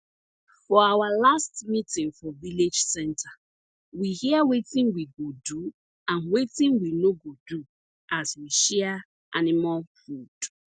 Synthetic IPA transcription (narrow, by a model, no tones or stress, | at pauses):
fɔawalastmitĩŋfɔviled͡ʒsɛ̃ntʰa | wihiawetĩŋwiɡodu | ãnwetĩŋwinoɡodu | ʔaswiʃɛa | ʔanɪmalfud̥